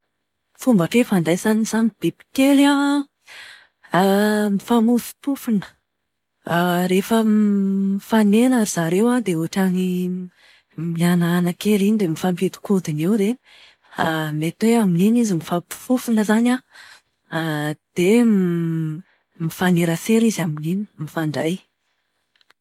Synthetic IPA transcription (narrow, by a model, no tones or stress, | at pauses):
fumbaʈ͡ʂefanɖ͡ʐajzaniz̥anib̥epi̥kela | mifamufi̥pufinə̥ | ɾefə | ifanenaɾiz̥aɾewad̪euʈ͡ʂani | mianaanakeɾinid̪emifampet̪u̥kod̪inewɾe | met̪weamininizimifapu̥fufinəzana | d̪̥e | mifaneɾaseɾizaminini̥mifaɳɖ͡ʐaj